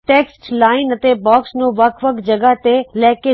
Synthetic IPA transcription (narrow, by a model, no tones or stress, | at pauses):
ʈeːksʈlaːɪnɐt̪ebɔːksnoʋɐkʰʋɐkʰd͡ʑɐɡəɦt̪elɛɦke